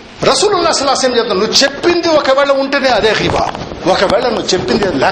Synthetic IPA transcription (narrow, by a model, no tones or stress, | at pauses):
ɾɐsuːlunːaːsɐlːaːsɐmd͡ʒeːt̪nɐnuːt͡ʃepːind̪iwɔkɐʋɛːɭɐuɳʈɐneɐd̪eːɣiba̰ːɔkɐʋɛːɭɐnuːt͡ʃepːind̪iɐlɛː